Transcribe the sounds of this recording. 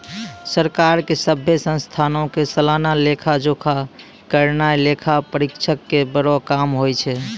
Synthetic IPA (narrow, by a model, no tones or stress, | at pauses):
səɾkaɾkesəbʱːjesə̃nst̪ʰanõkesəlanalekʰad͡ʒokʰa | kəɾnajlekʰapəɾikt͡ʃʰəkːebəɽɔkamɦojt͡ʃʰɛ